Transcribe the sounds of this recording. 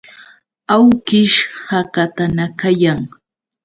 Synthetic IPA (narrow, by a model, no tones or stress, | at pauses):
awkɪʃhakat̪anakajaŋ